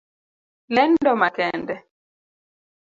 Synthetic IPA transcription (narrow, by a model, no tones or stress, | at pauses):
lɛndɔmakɛndɛ